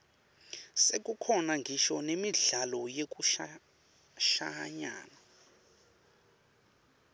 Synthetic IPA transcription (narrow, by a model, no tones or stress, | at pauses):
sek̬ʼukʰɔnaŋɡʱiʃɔnemiɮalɔjek̬ʼuʃa | ʃaɲa̰ːna